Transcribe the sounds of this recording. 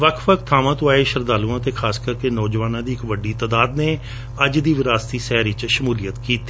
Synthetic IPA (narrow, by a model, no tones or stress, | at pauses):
ʋəkʰʋəkʰt̪ʰːaːʋãːt̪ʊaːeːʃəɾd̪aːlũːãːt̪eːkʰaːskəɾkeːnɔːd͡ʒʋaːnãːd̪iːɪkʋəɖːiːt̪aːd̪aːd̪neː | əd͡ʒd̪iːʋɪɾaːst̪iːsɛːɾɪt͡ʃʃəmuːlijət̪kiːt̪i̥